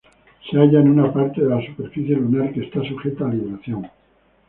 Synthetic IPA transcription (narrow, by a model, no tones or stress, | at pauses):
seaʎaenunapaɾt̪eðelasupe̞ɾfiθje̞lunalkest̪asuxe̞t̪aːliβeɾaθjo̞ŋ